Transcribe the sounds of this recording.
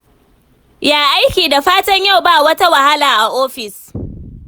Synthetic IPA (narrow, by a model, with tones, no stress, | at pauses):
jaː˨ʔa˦jkʲiː˨da˨ɸaː˦tɐ˦ɲja˦˨wbaː˦˨wɐ˦ta˦wa˨ha˦laː˨ʔa˨ʔoː˦ɸɪ˨s